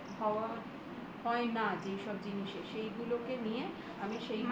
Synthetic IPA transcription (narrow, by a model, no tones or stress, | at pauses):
ɦɔoa | hɔenad͡ʑejʃɔb̚d͡ʑiniʃeʃejɡulokenije | amiʃejm